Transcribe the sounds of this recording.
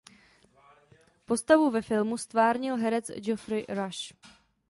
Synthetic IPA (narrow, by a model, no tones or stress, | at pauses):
po̞st̪avuvɛfɪlmust̪vaːɾɲɪlɦɛɾɛt͡sd͡ʒofɾɪɾaʃ